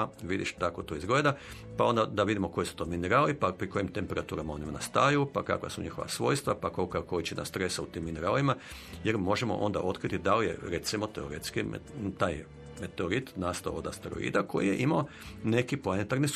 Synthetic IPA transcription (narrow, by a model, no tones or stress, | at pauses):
ʋid̪iʃt̪ako̞t̪oizɡleːd̪a | pao̞nd̪ad̪aʋid̪imo̞ko̞jisu̥t̪o̞mineɾaːlipapɾiko̞jimt̪empeɾʔat̪uːɾamaonimanast̪ajupa̰ka̰kʋa̰suɲixo̞ʋa̰sʋo̞ːjst̪ʋapakokakoit͡ɕena̰st̪ɾesaut̪iːmːineɾaːlimajeɾmo̞ʒemo̰ʔo̞̰nd̪a̰ʔo̞t̪kɾit̪id̪alijḛɾet̪simo̞t̪eoɾet̪skit̪aːj | met̪eoɾit̪naːst̪aood̪a̰st̪eɾo̰ḭːd̪ako̞jijḛʔimao | ne̞kiplˠanet̪aɾnis